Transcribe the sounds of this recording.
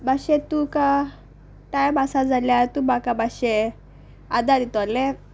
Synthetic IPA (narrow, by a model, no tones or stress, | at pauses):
baɕet̪uka | ʈajabasad͡zaljat̪umakabaɕe | ad̪ad̪it̪ɔlɛ